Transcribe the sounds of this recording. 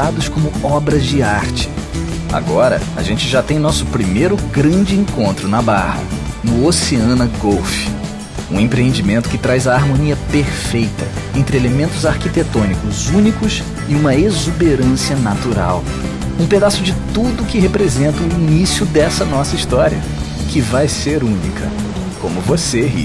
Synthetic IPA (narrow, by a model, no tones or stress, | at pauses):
ad̪ʊskõmʊɔbɾɐzd͡ʒɪaɾt͡ʃɪ̥ | a̰ɡɔɾɐ̰a̰ʒẽnt͡ʃɪʒat̪ẽj̃nɔsʊ̥pɾimejɾʊɡɾɐ̃d͡ʒɪẽkõnt̪ɾʊnɐbahɐ̰ | nʊoseɐ̃nɐɡowf | ũẽpɾeẽnd͡ʒimẽnt̪ʊ̥kɪt̪ɾajzɐːɾmõniɐpeɾfejt̪ɐ | ẽnt̪ɾɪelemẽnt̪ʊzaɾkit̪et̪õnikʊzũnikʊs | ɪũmɐezubeɾɐ̃siɐnat̪uɾa̰w | ũped̪asʊd͡ʒɪt̪ud̪ʊkɪhepɾezẽnt̪ɐʊinisiʊd̪ɛsɐnɔsɐiʃt̪ɔɾiɐ̰ | kɪvajseɾũnḭkʰɐ̰ | kõ̰mʊvoseɦḭ